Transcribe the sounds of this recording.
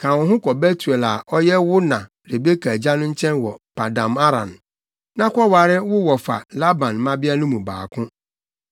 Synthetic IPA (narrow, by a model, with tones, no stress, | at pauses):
kʰã˨wʊ̃˨ɦʊ̃˦kɔ˨be˦tʰu˨ɛ˨la˨ʔɔ˦jɛ˦wʊ˦nã˨ | ɾe˨be˦kʰa˨d͡ʑa˦nʊ̃˦ɲ̩˦t͡ɕʰɛ̃˦nwɔ˨pa˨dã˨ma˦ɾã̰˨n | nã˦kʷɔ˦wa˨ɾɪ˦wʊ˦wɔ˨fa̰˨la˦bã˨nmã˦bɪ˦a˦nʊ̃˦mũ˨ba̰ː˨kʰʊ̃˦